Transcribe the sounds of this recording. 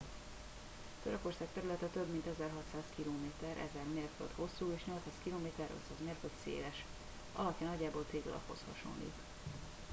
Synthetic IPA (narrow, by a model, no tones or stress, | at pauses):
t̪ø̞ɾøko̞rsaːk̚t̪ɛɾylɛt̪ɛt̪øbmint̪ɛzɛrɦɒt̪saːskiloːmeːt̪ɛɾʔɛ̰zɛrmeːrfø̰t̪ho̞sːuːeːʃɲo̞lt̪saːskiloːmeːt̪ɛro̰t̪saːzmeːrføt̪sḛːlɛʃ | ʔɒ̰lɒpjɒnɒɟːaːboːlt̪seːɡ̪ɒ̰lɒ̰pho̞̰shɒ̰ʃo̰nlḭk̪